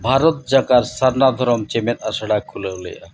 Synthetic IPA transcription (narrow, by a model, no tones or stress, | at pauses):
bʱaɾot̪̚d͡ʑakaɾsaɾnad̪ʱɔɾɔmt͡ɕemenaʃaɽakʰːulelḛa̰